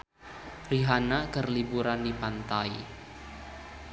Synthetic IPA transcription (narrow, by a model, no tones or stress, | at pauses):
riɦanakərlibuɾandipant̪ai